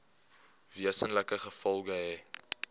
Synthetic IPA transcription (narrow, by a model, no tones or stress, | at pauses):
viəsənləkəχəfɔlˠɡəɦɛj